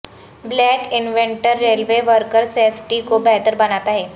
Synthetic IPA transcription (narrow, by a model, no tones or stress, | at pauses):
blɛːkɪnʋẽɳʈəɾːeːlʋeʋəɾkəɾseːfʈikobɛɦt̪əɾbɐnaːt̪aɦɛː